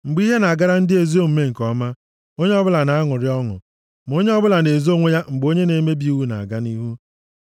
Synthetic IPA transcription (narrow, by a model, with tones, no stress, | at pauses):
ŋ͡m̩˨ɡ͡bi˦ɦe˦na˨a˨ɡa˦ɾa˦n̩˦dɪ˦e˨zi˦o˦m̩˨me˦ŋ̩˨kɔ˦ma˦ | o˦ɲe˦ɔ˦bʊ˦la˨na˨a˦ŋʊ˨ɾɪ˦ɔ˦ŋʊ̰˨ | m˨o˦ɲe˦ɔ˦bʊ˦la˨ne˨zo˦ŋʷe˦ja˦ŋ͡m̩˨ɡ͡bo˦ɲe˦ne˨˦me˦bi˦u˦wu˦na̰˨a̰˨ɡa˦ni˦ɦu˦